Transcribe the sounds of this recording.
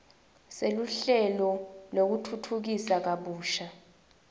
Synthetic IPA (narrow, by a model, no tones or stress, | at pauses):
seluɬɛlɔlok̬utʰutʰuk̬isak̬aɓuːʃa